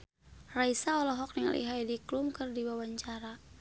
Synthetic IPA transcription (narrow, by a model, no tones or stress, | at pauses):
raisaɔlɔɦɔk̚niŋa̰lʔḭɦajdiklumkɨrdiwawaɲt͡ʃaɾa